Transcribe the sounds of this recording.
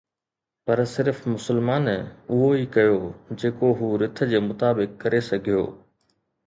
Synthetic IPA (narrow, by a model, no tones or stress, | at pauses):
pɐɾsɪɾfmʊsəlmaːnʊɦoikɐjod͡ʑeːkoɦuːɾɪt̪ʰə̆d͡ʑeːmʊt̪aːbɪkːɐɾesɐɡʱijo̰ː